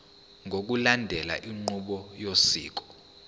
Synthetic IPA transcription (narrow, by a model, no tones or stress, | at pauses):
ŋʱok̬ulandʱɛla̰ʔiŋ͡ǃuɓɔjosḭːk̬ɔ̥